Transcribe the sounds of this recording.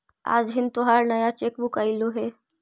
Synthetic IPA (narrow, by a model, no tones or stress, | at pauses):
a̰ːd͡ʒɦɪnt̪oɦaɾnəjat͡ʃekbukailuɦe